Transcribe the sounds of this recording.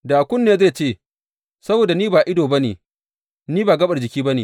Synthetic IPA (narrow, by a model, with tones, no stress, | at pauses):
daː˨kʷʊ˦nːeː˦˨zeː˦˨t͡ʃeː˦˨ | sɐ˦boː˨da˨niː˦baː˨ʔɪ˦doː˨bɐ˦nḛː˨ | niː˦baː˨ɡɐ˦ɓɐ˨rd͡ʒɪ˨kʲiː˦bɐ˦nḛː˨